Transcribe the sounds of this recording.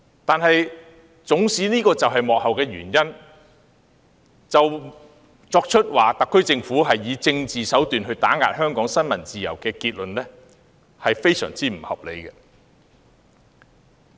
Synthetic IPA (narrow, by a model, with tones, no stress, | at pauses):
t̪aː˨nhɐ˨j | t͡sʊ˨˥ŋsiː˨˥niː˥kɔː˧t͡sɐ˨wɦɐ˨jmɔː˨k̚hɐ˨wkɛː˧ɥy̰ː˨˩njɐ˥n | t͡sɐ˨w | t͡sɔː˧k̚t͡ʃʰɵ˥t̚waː˨t̪ɐ˨kʰːɵ˥ɥt͡sɪ˧ŋfuː˨˥ɦɐ˨jːiː˨˧t͡sɪ˧ŋt͡siː˨sɐ˨˥wt̪yː˨nɦɵ˧ɥt̪aː˨˥ŋa̰ː˧t̚hœː˥ŋkɔː˨˥ŋsɐ˥nmɐ˨˩nt͡siː˨jɐ̰˨˩wkɛː˧kiː˧t̚lɵ˨nlɛː˥ | hɐ˨jfe˥jsœ̰ː˨˩ŋt͡siː˨˥m̩˨˩hɐ̰˨p̚le˨˧jkɛ˧